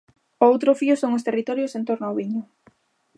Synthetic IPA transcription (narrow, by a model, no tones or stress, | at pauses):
owt̪ɾʊfiʊsoŋost̪erit̪ɔɾjosent̪oɾnʊaoβiɲʊ